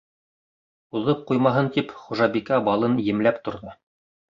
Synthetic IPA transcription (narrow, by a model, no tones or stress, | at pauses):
uðɤp̚qujmɑɦɤnt̪ipχuʒɑbikæbɑlˠɤnjɘ̆mlæpt̪ŏɾðɤ